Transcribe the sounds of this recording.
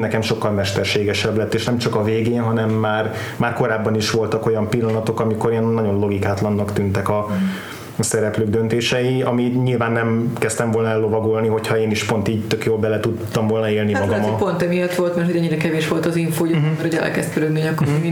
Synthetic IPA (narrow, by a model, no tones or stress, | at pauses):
nɛkɛmʃo̞kːɒlmɛʃt̪ɛrʃeːɡɛʃɛblɛt̪ːeːʃnɛmt͡ʃɒkɒveːɡeːnɦɒnɛmːaːr | maːrko̞ɾaːbːɒniʃʋo̞lt̪ɒko̞jɒmpilːɒnɒt̪o̞kɒmiko̞ɾeːnːɒɟo̞nlo̞ɡikaːt̪lɒnːɒkt̪ynt̪ɛkɒ | sɛɾɛpløːɡ̚d̪ønt̪eːʃɛjiɒmiɲilvaːnːɛmkɛst̪ɛɱvo̞lnɒɛlːo̞vɒɡo̞lniɦo̞cʰhɒeːniʃpo̞nt̪iːɟt̪økjoːlbɛlɛt̪ut̪ːɒmvo̞lnɒeːlnimmɒɡɒmɒpont̪ɛmijɒt̪ʋo̞lt̪mɛrt̪ʰoɟɛɲːiɾɛkɛveːʃʋo̞lt̪ɒziɱfoːjomɛɾhoɛ̰lkɛ̰st̪køɾøɡniɲɒkːoi